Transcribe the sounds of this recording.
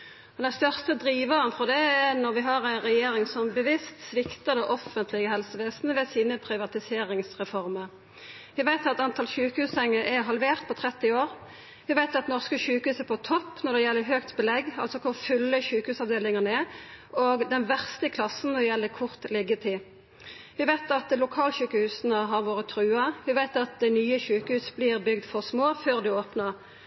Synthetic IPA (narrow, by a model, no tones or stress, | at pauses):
ɔd̪ɛnst̪œʁst̪əd̪ɾiːʋəʁənfɔd̪ɛɛnɔʁʋɪɦɑʁæɪnʁɛjeːɾɪŋsɔmbəʋɪst̪sʋɪkt̪əd̪ɛʔɔfːənt̪ʰlɪɡəɦɛlsəʋeːsnəʋɛsiːnəpʰɾɪʋɑt̪ɪseːɾɪŋsʁɛfɔʁməʁ | ʋɪʋæɪt̪ɑt̪t̪ɑnt̪ʰɑlɕʉːkəhʉːsɛŋːəʔɛɦɑlʋeːʁt̪̚pʰɔt̪ʰʁɛt̪ːɪoːʁ | ʋɪʋæɪt̪ɑt̪nɔʁskəɕʉːkəhʉːsəpɔt̪ʰɔpːnɔʁd̪ɛjɛlːəɦøːkt̪bəlɛɡɑlsɔkʰʊʁfʉlːəçʉːkəhʉːsɑʋd̪eːlɪŋənəɛoːɡd̪ɛnʋæʁst̪əkʰlɑsːn̩ɔjɛlːəkʰʊʁt̪lɪɡːət̪ʰɪ | ʋɪʋæɪt̪ɑt̪lʊkʰɑːlɕʉːkəhʉːsnəɦɑʁʋoːʁət̪ʰʁʉːɑʋɪʋæɪt̪ɑt̪̚d̪ɛnyːəçʉːkəhʉːsbliʁbʏɡd̪fɔʁsmoːføːʁd̪ʉoːpnəʁ